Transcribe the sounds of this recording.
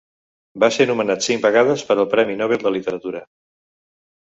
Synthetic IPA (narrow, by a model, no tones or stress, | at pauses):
basenumənat̪siŋbəɣað̞əspəɾəlˠpɾɛminɔβelˠd̪əlit̪əɾət̪uɾə